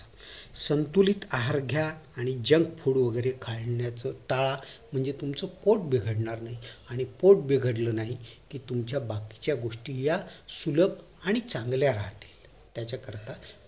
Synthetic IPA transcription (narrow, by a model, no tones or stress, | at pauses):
sənt̪uliːt̪aɦaɾɡʱjaːɽ̃id͡ʑəŋk̚pʰuɽʋəɡəjɾekʰaɭɳjat͡səʈaɭam̤əɳd͡zet̪umt͡səpoʈ̚biɡʱəɽɳaɾnaɦiaɽ̃ipoʈ̚biɡʱəɽlənaɦikiːt̪umt͡ɕjabaki̥t͡ɕjaɡoʂʈiːjasuləp̚ | aɽ̃it͡sãŋɡljaɾa̰ɦt̪i̥ːl | t̪jat͡ɕakəɾt̪a